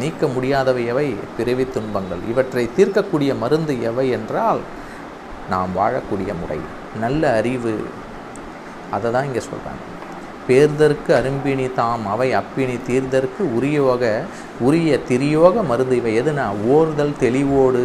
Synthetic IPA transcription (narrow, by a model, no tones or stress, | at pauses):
niːkːɐmʊɽɪjaːðɐʋɐjɐʋɐɪpɪɾɐʋɪt̪ːʊɳbɐŋɡɐ̰ɭɪ̰ʋɐʈrɐɪt̪iːɾkɐkːuːɽɪjɐmɐɾɯnd̪ɯɛʋɐɪɛndraːl | na̰ːmʋaːɻɐkːuːɽɪjɐmʊrɐ̰ɪ | nɐlːɐːɾɪʋɯ̰ | ɐðɐðãːnɪŋɡesɔ̰lra̰ːŋɡɐ | peːɾðɐɾɯkːɯɐɾɯmbɪɳit̪aːmɐʋɐɪɐpːɪɳit̪iːɾðɐɾɯkːɯʊɾɪjoːɣɐ | ʊɾɪjɐt̪ɪɾɪjoːɣɐmɐɾɯnd̪ɯʋɐɪɛðɯnãːoːɾɯðɐlt̪ɛlɪʋoːɽɯ